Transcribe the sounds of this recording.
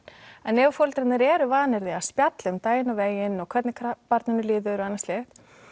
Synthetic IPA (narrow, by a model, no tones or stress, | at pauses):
ɛnːɛːvʏfowlt̪ɾaɪnɪɾɛːɾʏvaːnɪɾðɪaspjat̪lʏmt̪aːjɪnaveːjɪnɔɣkʰvɛt̪nɪkʰpaɾt̪nɪnːʏliːðʏɾʏanːastlɪ